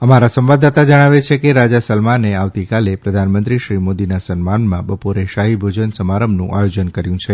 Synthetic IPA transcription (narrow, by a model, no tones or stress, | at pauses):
əmaɾasə̃mʋad̪at̪ad͡ʒəɽ̃aʋet͡ʃʰekeɾad͡ʒasəlmaneaʋt̪ikalepɾəd̪ʱanmə̃nt̪ɾiʃɾimod̪inasənmanmãbəpoɾeʃaɦibʱod͡ʒənsəmaɾəmnṵ̃ʔajod͡ʒənkəɾjũt͡ʃʰe